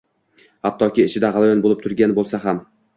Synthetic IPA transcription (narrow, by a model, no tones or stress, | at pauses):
hap̚t̪ʰɒkʲɪːʃɪd̪aʁɑlˠajɒnbolɪp̚t̪ʰʊɾɡʲanbolˠsaɦam